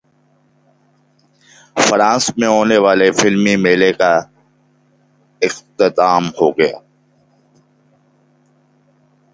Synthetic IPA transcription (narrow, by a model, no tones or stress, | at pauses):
fəɾãːsmẽɦoːneʋaːlefɪlmimeːleka | ɪxt̪ɪt̪aːmhoːɡəja̰ː